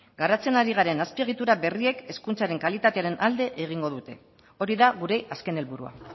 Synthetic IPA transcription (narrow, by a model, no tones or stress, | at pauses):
ɡaɾat͡se̞naɾiɣ̞aɾe̞naspie̞ɣ̞it̪uɾaβe̞rie̞ke̞skunt͡saɾe̞ŋkalit̪at̪e̞aɾe̞nʔald̪e̞ʔeɣ̞iŋɡo̞ðut̪e̞ | o̞ɾiðaɣuɾe̞ʔaske̞ne̞lβuɾua̰